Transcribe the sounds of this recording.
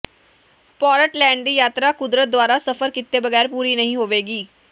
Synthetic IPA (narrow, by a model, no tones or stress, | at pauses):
pɔːɾəʈlɛːɳɖd̪iːjaːt̪ɾaːkʊd̪ɾət̪̚d̪ʊaːɾaːsəfʰəɾkɪt̪ːeːbəɡɛːɾpuːɾiːnəɦĩːɦoːʋeːɡiː